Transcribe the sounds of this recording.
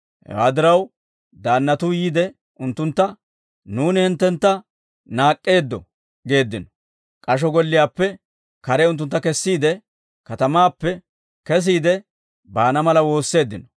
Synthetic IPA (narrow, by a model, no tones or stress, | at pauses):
hɛ̰wa̰ːd̪ɪɾɐw | d̪aːnːɐt̪ʊjiːd̪ɛ | ʊnt̪ːʊnt̪ːɐ | nuːnɪhɪnt̪ːɛnt̪ːɐ | naːkʼːe̞ːd̪ːɔ̰ | ɡe̞ːd̪ːɪnɔ̥ | kʼɐʃ̬ɔɡɔlːɪjaːpːɛ | kɐɾɛʊnt̪ːʊnt̪ːɐkɛsːiːd̪ɛ | kɐt̪ɐmaːpːɛ | kɛs̬iːd̪ɛ | baːnɐmɐlɐwo̞ːsːe̞ːd̪ːɪnɔ